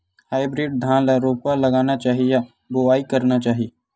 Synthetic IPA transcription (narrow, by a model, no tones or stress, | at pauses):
haːɪbɾɪɖ̚d̪ʱãːnlɾoːpalɐɡaːnat͡ʃaːɦija | boaːikɐɾnat͡ʃaːɦi